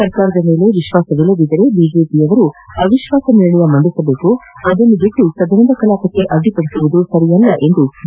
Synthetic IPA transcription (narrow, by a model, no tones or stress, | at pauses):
sɐɾkaːɾɐd̪ɐme̞ːle̞ʋiʃʋaːsɐʋilɐd̪id̪ɐɾe̞biːd͡ʒe̞ːpiɐʋɐɾuɐʋiʃʋaːsɐniɭɐɽuʋɐmɐɳd̪isɐbe̞ːkuɐd̪ɐnːubiʈːusɐd̪ɐɾɐnd̪ɐkɐlaːpɐkːe̞ʔɐd̪ipɐɽisuʋud̪usɐɾijɐlːɐʔe̞nd̪u